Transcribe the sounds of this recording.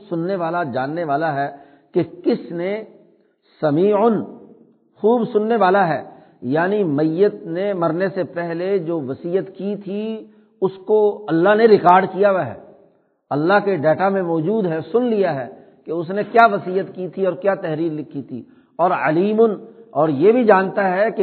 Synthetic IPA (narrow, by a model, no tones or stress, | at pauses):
sʊnːeʋaːlad͡ʒaːnːeʋaːlaɦɛː | kekɪsne | sɐmiːʊn | xuːbsʊnːeʋaːlaɦɛː | jaːnimɐjət̪̚nemɐɾnesepɛɦled͡ʒoːʋɐsiːət̪kit̪ʰi | ʊskoɐlːaɦneɾɪkaːɾɖkijaʋaɦɛ̰ː | ɐlːaɦkeɖɛːʈamẽmɔːd͡ʒuːd̪ɦɛsʊnlijaɦɛ̰ː | keʊs̬nekjaːʋɐsiːjət̪kit̪ʰiɔːɾkjaːt̪ɛɦɾiːɾlɪkʰːit̪ʰḭː | ɔːɾɐ̰liːmʊnɔːɾjebʱid͡ʒãːnt̪aɦɛke